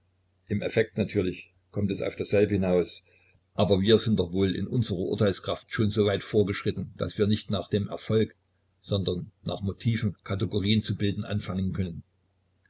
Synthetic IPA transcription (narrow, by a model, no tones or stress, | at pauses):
ʔɪmʔɛfɛk̚tnatʰyːɐlɪç | kʰɔmtɛsa̰ʊfd̥eːz̥ɛlbəhɪnaʊs | ʔaːbɐviːɐzɪntd̥ɔχvoːlɪ̰nʔʊnzəʁɐʔʊ̰ɐtaɪlskʁ̥aftʃoːnzoːvaɪtfoːɐɡəʃʁ̥ɪtn̩d̥a̰sv̥iːɐnɪçtnaːχd̥eːmʔɛ̰ɐfɔlk | z̥ɔndɐnːa̰ːχmotʰiːvn̩kʰatɛɡoʁiːənt͡subɪldn̩ʔa̰nfaŋənkʰœnən